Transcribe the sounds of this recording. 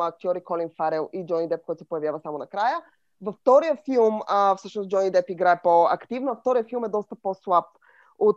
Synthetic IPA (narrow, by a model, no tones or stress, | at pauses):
ɐk̚t̪ʲjɔɾikɔlinfaɾɛlˠid͡ʒɔnid̪ɛp̚kɔjt̪ʊsɛpojɐvjavəsamonɐkɾajə | vɐft̪ɔɾijəfilˠməfsɤʃnosd͡ʒɔnid̪ɛpiɡɾaɛpoɐkt̪ivnoɐft̪ɔɾijəfilˠmɛd̪ɔst̪əposlˠap̚ | ot̪